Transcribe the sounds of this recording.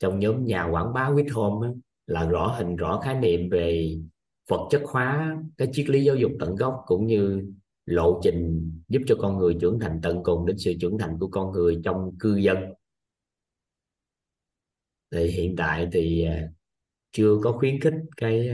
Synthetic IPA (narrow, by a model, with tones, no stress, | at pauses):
t͡ɕɔ˧wŋ͡mɲɔː˨˦mɲaː˨˩kwaː˧˩nɓaː˨˦wi˦˥ət̚ho˧mʔaː˨˦ | laː˨˩zɔ̰˧˩ɦï˨˩ŋ̟zɔ̰˧˩xaː˨˦jnḭ˧˨əmve˨˩ | fə˨˩t̚t͡ɕə˦˥t̚xwaː˨˦kaː˨˦jt͡ɕi˦˥ək̚li˨˦zaː˨˦wzʊ˨˩k͡p̚t̪ə̰˧˨nɣɔ˦˥wk͡p̚kʊ̰˧˥ŋ͡mɲɨ˧ | lo̰˧˨t͡ɕï˨˩ŋ̟zu˦˥p̚t͡ɕɔ˧kɔ˧nŋɨ˨˩əjt͡ɕɨ̰˧˩əŋt̪ʰa˨˩jŋ̟t̪ə̰˧˨nkʊ˨˩ŋ͡mɗe˨˦nsɨ̰˧˨t͡ɕɨ˧˩əŋt̪ʰa˨˩jŋ̟ku˧˩əkɔ˧nŋɨ˨˩əjt͡ɕɔ˧wŋ͡mkɨ˧zə˧n | t̪ʰi˨˩jɦḭ˧˨ənt̪a̰ː˧˨jt̪ʰi˨˩˨ | t͡ɕɨ˧əkɔ˨˦xwi˨˦ənxï˦˥k̟̚kaː˨˦j